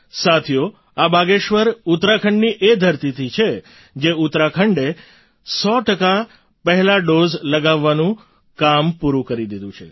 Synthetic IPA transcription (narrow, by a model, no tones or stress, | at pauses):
sat̪ʰijo | abaɡeʃʋəɾut̪ɾakʰəɳɖniʔed̪ʱəɾt̪it̪ʰit͡ʃʰe | d͡ʒeut̪ɾakʰəɳɖe | sɔʈəka | pəɦɛlaɖozləɡaʋːanũ | kampuɾũkəɾid̪id̪ũt͡ʃʰḛ